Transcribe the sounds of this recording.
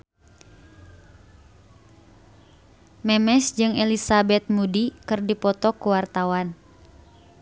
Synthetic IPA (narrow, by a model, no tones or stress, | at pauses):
mɛmɛsd͡ʒɨŋɛlisabɛt̪̚mudikɨrdipɔt̪ɔkuwart̪awan